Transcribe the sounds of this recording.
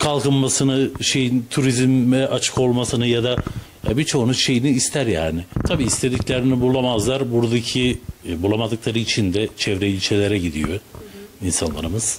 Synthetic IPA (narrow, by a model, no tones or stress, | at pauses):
kʰalˠkɯnmasɯnɯʃe̞jint̪ʰuɾizmɛʔat͡ʃʰɯ̥ko̞lˠmasɯnɯjad̪a | ja̰bit͡ʃʰo̞unuʃe̞jiniːst̪ʰæɾja̰ːnɪt̪ʰabiːst̪ʰe̞d̪iclʲeɾinibulˠamazlˠaɾbuɾd̪acʰibulˠamad̪ɯklˠaɾɯit͡ʃʰind̪ɛt͡ʃʰɛvɾɛilʲt͡ʃʰelʲeɾɛɟid̪ijoinsanlˠa̰ɾɯmɯz̥